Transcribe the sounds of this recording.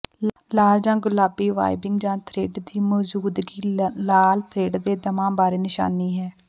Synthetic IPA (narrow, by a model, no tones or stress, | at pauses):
laːld͡ʒãːɡʊlaːbiːʋa̰ːɪbɪŋɡd͡ʒãːt̪ʰɾeːɖd̪iːmɔːd͡ʒuːd̪ɡiːlaːlt̪ʰɾeːɖd̪eːd̪əmãːbaːɾeːnɪʃa̰ːniːɦɛː